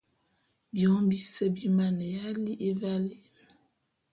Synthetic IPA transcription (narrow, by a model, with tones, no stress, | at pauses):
bjɔ˨˦mbi˦sə˦bi˦ma˦˨nə˨ja˦li˦ʔe˦va˦li˦˨